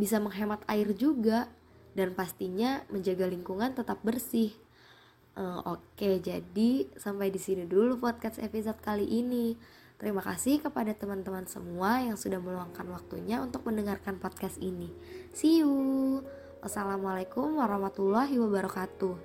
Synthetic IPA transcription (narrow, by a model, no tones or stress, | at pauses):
bisaməŋɦemat̪aɪrd͡ʒuɡa | danpast̪iɲaməɲd͡ʒaɡaliŋkuŋant̪ət̪ap̚bərsɪh | ʔəoked͡ʒadisampajdisinidulupot̪̚kasḛpisot̪̚kaliʔini | t̪əɾimaka̰sɪhkəpadat̪əmant̪əmansə̰muajaŋsudahməluaŋkanwak̚t̪ṵɲaunt̪ʊk̚məndəŋarkanpod̪̚kast̪ini | siu | ʔasalamalakʊmwaɾahmat̪ulaɦiwabaɾɔkat̪u